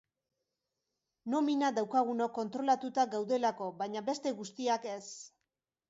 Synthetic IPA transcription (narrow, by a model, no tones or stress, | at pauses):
no̞minaðawkaɣ̞unoko̞nt̪ɾo̞lat̪ut̪aɡawðe̞lako̞βaɲabe̞st̪e̞ɣust̪iake̞s